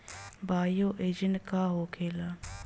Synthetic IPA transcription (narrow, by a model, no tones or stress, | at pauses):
baːjoːʔeːd͡ʒənkaːɦoːkʰeːlaː